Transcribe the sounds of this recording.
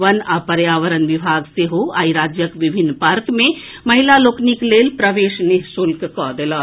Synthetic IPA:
ənapəɾjaʋəɾənʋibʱaɡseɦoa̰ːiɾad͡ʒjəkʋibʱinːpaɾkmẽ | məɦilalokniklelpɾəʋeʃneɦsulkkɔd̪elɔ

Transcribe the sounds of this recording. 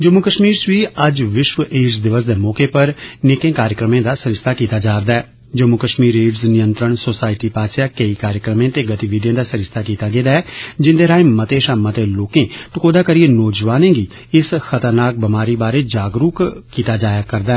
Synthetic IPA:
d͡ʒəmːukəʃmiːɾsʋiːəd͡ʒʋɪʃʋəʔeːd͡ʒd̪ɪʋəsd̪eːmɔːkeːpəɾneːkẽːkaːɾjəkɾəmẽːd̪aːsəɾɪst̪ʰaːkiːt̪aːd͡ʒaːɾd̪aːɛː | d͡ʒəmːʊkəʃmiːɾeːɖznɪjənt̪ɾəɳsoːsaːɪʈiːpaːsjaːkəiːkaːɾjəkɾəmẽːt̪eːɡət̪iːʋid̪jẽːd̪aːsəɾɪst̪ʰaːkiːt̪aːɡeːd̪aːɛːd͡ʒɪ̃nd̪eːɾaːẽːmət̪eːʃaːmət̪eːloːkẽːʈ̪ʊkoːd̪aːkəɾijeːnɔːd͡ʒʋaːnẽːɡiː | ɪsxət̪əɾnaːk̚bəmaːɾiːbaːɾeːd͡ʒaːɡɾuːkkːiːt̪aːd͡ʒaːjaːkəɾd̪aːɛː

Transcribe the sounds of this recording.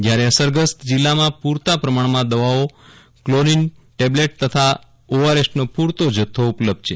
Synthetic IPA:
d͡ʒjaɾeəsəɾɡəst̪d͡ʒilːamãpuɾt̪apɾəmaɳ̃mãd̪əʋao | kloninʈebleʈ̚t̪ət̪ʰa | oʋəɾesʈnopuɾt̪od͡ʒət̪ʰːoupləb̚d̪̚t͡ʃʰe

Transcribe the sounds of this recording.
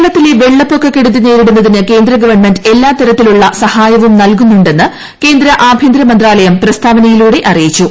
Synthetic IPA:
ɭɐt̪ːileʋe̞ɭːɐpːo̞kːɐkːeɽut̪̬ːineːɾununːɐðinɨke̞ːnd̪ɾɐɡɐʋɐrɳme̞nde̞lːaːt̪ɐɾɐt̪ːiluɭːɐsɐhaːjɐʋumnɐlkunːuɳɖe̞nːɨ | ke̞ːnd̪ɾɐʔaːbʱjind̪ɾɐmɐnd̪raːlɐjɐmprɐst̪ʰaːʋɐnɐjiluːɽe̞ʔɐrijit͡ɕːu

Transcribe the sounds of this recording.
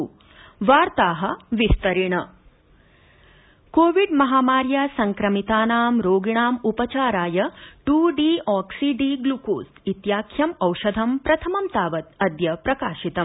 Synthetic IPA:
ʋaːɾt̪aːɦɐ̆ʋist̪ɐɾiɳɐ | koːʋiɖmɐɦaːmaːɾjasɐŋkɾɐmit̪aːnaːmɾoːɡiɳaːmupɐt͡ʃaːɾaːjɐʈuːɖiːɔːksiɖiɡluko̰ːs | it̪jaːkʰjɐmɐwʃɐd̪ʱɐmpɾɐt̪ʰɐmɐmt̪aːʋɐt̪ɐd̪jɐpɾɐkaːʃit̪ɐm

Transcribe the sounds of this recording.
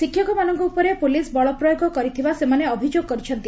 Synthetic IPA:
sikʰːjɔkɔmanɔŋkɔupɔɾepulisbɔɭɔpɾɔjoɡɔkɔɾit̪ʰibasemaneɔbʱid͡ʒoɡ̚kɔɾit͡ʃʰɔnt̪i

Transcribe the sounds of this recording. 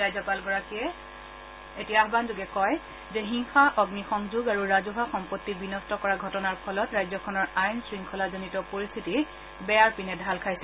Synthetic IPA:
ajzɔpalɡɔɹakiɛ | etiaaɦbanzuɡɛkɔj | zɛɦiŋxaʔɔɡnixɔŋzuɡaɹuɹazuɦaxɔmpotːibinɔstɔkɔɹaɡʱɔtɔnaɹpʰɔlɔtɹajzɔkʰɔnɔɹajnsɹiŋkʰɔlazonitɔpoɹistʰiti | bɛjaɹpinɛdʱalkʰajsɛ

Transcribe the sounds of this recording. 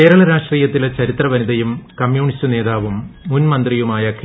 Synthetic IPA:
ke̞ːɾɐɭɐɾaːʂʈriːjɐt̪ːilet͡ɕɐɾit̪rɐʋɐniðɐjumkɐmjuːɳistɨne̞ːðaːʋumːunmɐnd̪rijumaːjɐkʰ

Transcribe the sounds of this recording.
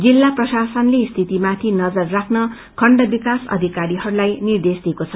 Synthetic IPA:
d͡zilːaprʌsasʌnlest̪ʰit̪imat̪ʰinʌd͡zʌrːakʰnʌ | kʰʌɳɖʌbikasʌ̰d̪ʱikaɾiɦʌɾulajnird̪esd̪iekot͡sʰʌ

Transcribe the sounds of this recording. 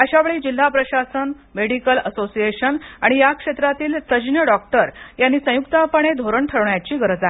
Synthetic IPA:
əɕaʋeɭiːd͡ʑil̤ːapɾəɕasən | meɽikələsosijeɕənaɽ̃ijakʂet̪ɾat̪iːlt̪əd͡ʑnjəɖɔk̚ʈəɾjanːiːsə̃jukt̪apəɳ̃ed̪ʱoɾəɳʈʰəɾɳjat͡ɕiːɡəɾəd͡zae

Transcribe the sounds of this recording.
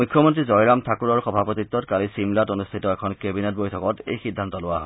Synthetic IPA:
mukʰːjɔmont̬ɹizɔjɹamtʰakuɹɔɹxɔbʱapot̪it̪ːɔtkalisimlatonustʰitɔɛkʰɔnkebinet̚bojtʰɔkɔtḛjxidʱːant̪ɔlʊaɦɔe

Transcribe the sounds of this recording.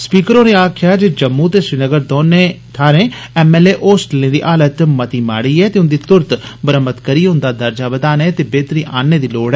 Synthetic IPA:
spiːkəɾõːneːaːkʰɪjaːd͡ʒeːd͡ʒəmːuːt̪eːsɾɪnəɡəɾd̪oːneː | t̪ʰaːɾẽːɛːmɛːleːʔoːsʈlẽːd̪ḭːʔaːlət̪mət̪iːma̰ːɽiːɛːt̪eːʊnd̪iːt̪ʊɾt̪bəɾəmət̪kəɾiːɦʊ̃nd̪aːd̪əɾd͡ʒaːbəd̪aːnẽːt̪eːbeːt̪ɾĩːʔaːnːeːd̪iːloːɽɛː

